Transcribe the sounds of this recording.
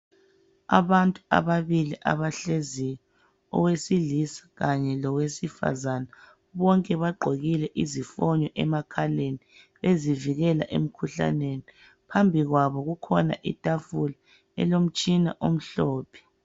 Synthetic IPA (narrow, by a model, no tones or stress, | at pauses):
a̰βantʼua̰βaβiliʔa̰βaɬezijɛ | ɔ̰wesilisḁɣaɲɛlɔwesifa̰zana | βɔŋkʼɛβaɡ͡ǃʱoɣilɛʔizifɔɲɔʔɛmakʰaleni | βeziviɣɛla̰ʔḛm̩kʰuɬa̰neni | pʰambʱiɣwaβɔɣukʰɔna̰ʔitʼafula | ɛ̰lom̩t͡ʃʼina̰ʔom̩ɬɔːpʰɛ̥